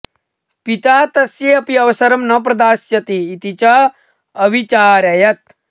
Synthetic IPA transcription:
pit̪aːt̪ɐsjeɐpiɐʋɐsɐɾɐmnɐp̬ɾɐd̪aːsjɐt̪iːt̪it͡ʃɐ | ɐʋit͡ʃaːɾɐjɐt̪̚

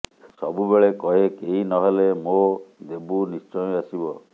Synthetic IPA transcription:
sɔbubeɭekɔɦekeinɔɦelemod̪ebunist͡ʃɔjɔasibɔ

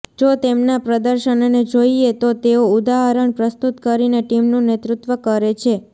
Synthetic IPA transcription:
d͡ʒot̪emnapɾəd̪əɾʃənned͡ʒoiet̪ot̪eoud̪aɦəɾəɳpɾəst̪ut̪kəɾineʈimnũnet̪ɾut̪ʋəkəɾet͡ʃʰe

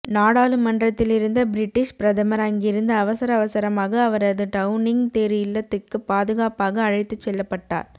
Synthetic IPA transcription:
naːɽaːlɯmɐɳɖrɐt̪ːɪlɪɾɯnd̪ɐbɪɾɪʈːɪʂpɪɾɐðɐmɐɾɐŋɡɪɾɯnd̪ɐɐʋɐsɐɾɐʋɐsɐɾɐmaːɣɐːʋɐɾɐðɯʈɐʊnɪŋt̪eːɾɪjɪlːɐt̪ːɯkːɯpaːðɯɣaːpaːɣɐːɻɐɪt̪ːɯt͡ʃːɛlːɐpːɐʈːa̰ːɾ

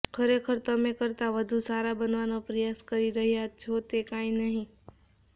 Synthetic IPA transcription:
kʰəɾekʰəɾt̪əmẽkəɾt̪aʋəd̪ʱusaːɾabənʋanapɾəjaːskəɾiɾəɦijat͡ʃʰot̪ekãːĩnəɦĩ

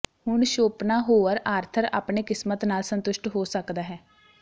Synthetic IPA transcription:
hʊɳʃoːpnaːɦoːəɾaːɾt̪ʰəɾa̰ːpɳeːkɪsmət̪naːlsənt̪ʊʃʈɦoːsəkd̪aːɦɛː

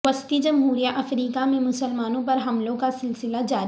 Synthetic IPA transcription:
ʋəst̪id͡ʒɐmɦuːɾijaʔɐfɾiːkamẽmʊsəlmaːnõpɐɾɦɐmlõkasɪlsɪlad͡ʒaːɾ

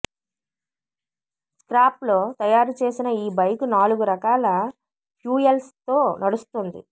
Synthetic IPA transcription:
skɾaːplo̞ːt̪ɐjaːɾut͡ʃe̞ːsinɐiːbɐjkunaːluɡuɾɐkaːlɐ | pjuːjɐlst̪o̞ːnɐɽust̪und̪ḭ

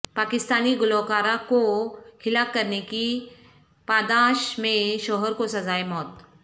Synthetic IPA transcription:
pakist̪aniːɡulɔwkaɾakohilakːəɾneki | pad̪aɕmẽɕɔɦəɾkosəd͡zajmɔːt̪̚

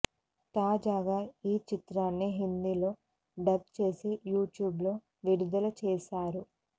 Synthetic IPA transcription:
t̪aːd͡ʒaːɡaːiːt͡ʃit̪ɾaːnːiɦind̪ilo̞ː | ɖɐɡ̚t͡ʃe̞ːsejuːʈjuːblo̞ː | ʋiɽud̪ɐlɐt͡ʃɛːʃaːɾu

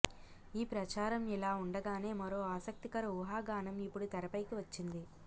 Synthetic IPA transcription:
iːpɾɐt͡ʃaːɾɐmɛlaːuɳɖɐɡaːne̞ːmɐɾoːaːsɐk̚t̪ikɐɾɐuɦaːɡaːnɐmipːuɽut̪ɐɾɐpɐjkiʋɐt͡ʃːind̪i

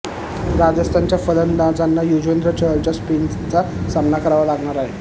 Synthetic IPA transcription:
ɾad͡zəst̪ʰant͡ɕjafələnd̪ad͡zanːajud͡ʑʋend̪ɾət͡ɕəɦəɾt͡ɕaspin | t͡sa | samnakəɾaʋəlaɡɳaɾaɦe

